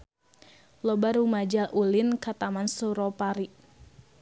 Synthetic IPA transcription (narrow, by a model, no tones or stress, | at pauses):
lɔbaɾumad͡ʒalʔulinkat̪amansuɾɔpaɾi